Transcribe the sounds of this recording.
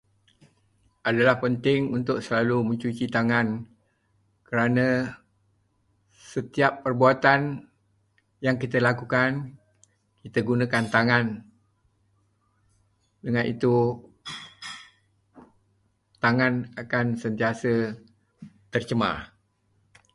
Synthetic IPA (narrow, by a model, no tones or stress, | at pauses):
ʔadalahpənt̪ɪŋunt̪ʊk̚səlaluməɲt͡ʃut͡ʃit̪aŋan | kəɾanə̃ | sət̪iapːərbuat̪an | jaŋkit̪əlakukan | kit̪əɡunə̃kant̪aŋan | dəŋãnʔḭt̪u | t̪aŋanakansənt̪iasə | t̪ərt͡ʃəma̰